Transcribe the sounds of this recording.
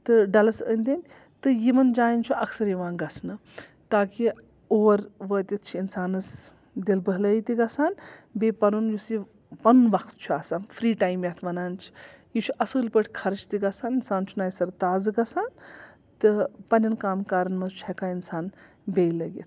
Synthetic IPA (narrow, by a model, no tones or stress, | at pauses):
t̪ɨɖɐlɐsə̰nʲd̪inʲ | t̪ɨjimɐnd͡ʒaːjint͡ʃʰuʔɐkʰsɐɾjiʋaːnɡɐsʰnɨ | t̪aːki | oːɾʋəːt̪ʲit̪̚t͡ʃʰiinsaːnɐs | d̪elbəɦlɐːjit̪iɡɐsaːnbepɐnunjusi | pɐnunʋɐkʰt̪t͡ʃʰuaːsaːnfʰɾiːʈaːjmjat̪ʰʋɐnaːnt͡ʃʰi̥jit͡ʃʰuʔɐsɨːlpəʈʰʲkʰɐɾt͡ʃʰt̪iɡɐsaːninsaːnt͡ʃʰunaːjsɐɾt̪aːzɨɡɐsaːn | t̪ɨpɐnʲɐnkaːmkaːɾɐnmɐzt͡ʃʰɐkaːinsaːn | bʲejlɐɡḭt̪ʰ